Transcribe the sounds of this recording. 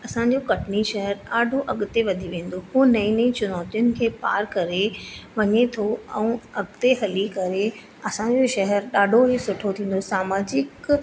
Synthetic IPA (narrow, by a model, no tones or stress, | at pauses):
ɐsãɲ̆d͡ʑokɐʈʰniʃɐɦɛɾɗaːɖʱoʔɐɠt̪eʋɐd̪ʱiʋẽːn̆d̪oɦunɐĩnĩt͡ɕʊnɔːt̪ijʊnɪ̆kʰeːpa̰ːɾkɐɾeʋɐɲet̪ʰoɛ̰̃ːɐɠt̪eɦɐlikɐɾe | ɐsã̆d͡ʑoʃɐɦɛɾɗaːɖʱoɦesʊʈʰot̪ʰĩːn̆d̪osaːmaːd͡ʑɪk